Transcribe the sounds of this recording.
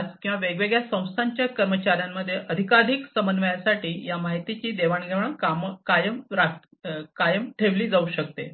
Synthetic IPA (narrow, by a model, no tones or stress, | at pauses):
d͡zkĩw̃ʋaʋeɡʋeɡɭjasə̃w̃st̪ʰaɲt͡ɕjakəɾmət͡ɕaɾjamːəd̪ʱːjeəd̪ʱikad̪ʱiksəmbənd̪ʋəjasaʈiːjamaɦit̪it͡ɕiːd̪eʋaɳɡʱeʋɳəkamkajəmɾa | kajəmʈʰeʋliːd͡zauːɕək̚t̪e